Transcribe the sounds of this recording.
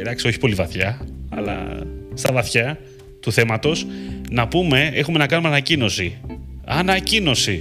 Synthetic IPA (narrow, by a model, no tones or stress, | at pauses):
d̪ɐksio̞çi̥po̞livɐθçɐɐ̰lɐ̰st̪ɐvɐθçɐ | t̪uθe̞mɐt̪o̞snɐpume̞exume̞nɐkɐnumeɐnɐcino̞siɐnɐcino̞si